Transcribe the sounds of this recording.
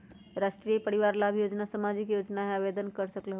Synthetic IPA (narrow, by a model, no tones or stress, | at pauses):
ɾaʃʈɾijepəɾiʋaɾlabʱjod͡ʒnasamad͡ʒikjod͡ʒnaɦeabed̪ənkəɾsəklɦo